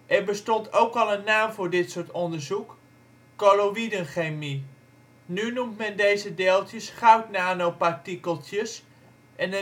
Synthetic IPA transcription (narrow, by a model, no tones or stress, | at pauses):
ʔɛɹbəstɔntowkɑlˠənːaːmvʊːɹdɪtsʊːɹtɔndəɹzukː | oloʋidənχejmi | nynumtmɛndejzədeːlˠtjəsχawtnaːnowpaɹtikəlˠtjəs | ʔɛnə